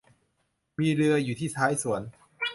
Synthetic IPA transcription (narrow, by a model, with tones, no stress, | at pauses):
miː˧ɾɯ˧ɐjuː˨˩iː˥˩t̪ʰaː˦˥jsu˩˦ən